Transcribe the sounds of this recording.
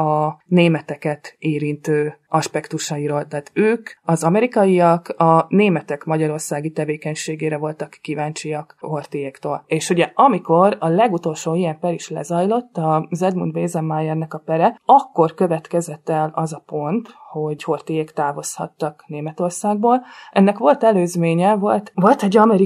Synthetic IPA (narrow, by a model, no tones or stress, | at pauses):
ɒneːmɛt̪ɛkɛt̪eːɾint̪øːɒʃpɛkt̪uʃɒiɾoːlt̪ɛaːt̪øːkɒzɒmɛɾikɒjiɒkɒneːmɛt̪ɛkmɒɟɒɾo̞rsaːɡit̪ɛveːkɛɲʃeːɡeːɾɛvo̞lt̪ɒkːivaːnt͡ʃiɒkho̞rt̪ijeːkt̪oːleːʃuɟɛɒmiko̞ɾɒlɛɡut̪o̞lʃoːijɛmpɛɾiʃlɛ̰zɒjlo̞t̪ːɒzɛd̪mṵnd̪veːzɛmːajɛrnɒkɒpɛɾɛɒkːo̞rkøvɛt̪kɛzɛt̪ːɛlɒzɒpo̞nt̪ho̞ɟho̞rt̪ijekt̪aːvo̞shɒ̰t̪ːɒkneːmɛt̪o̞rsaːɡ̚boːlʔɛnːɛkʋo̞lt̪ɛløːzmeːɲɛvo̞lt̪vo̞lt̪ɛɟɒmɛɾi